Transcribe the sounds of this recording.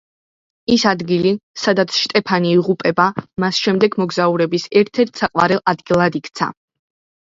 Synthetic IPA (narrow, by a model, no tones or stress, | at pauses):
isad̪ɡilisad̪at̪sʰʃt̪ʼɛpʰaniːʁupʼɛbamasʃɛmd̪ɛɡmɔɡzauɾɛbisɛɾt̪ʰɛɾt̪ʰsaqʼwa̰ɾɛlˠʔad̪ɡilˠad̪ikʰt̪sʰa̰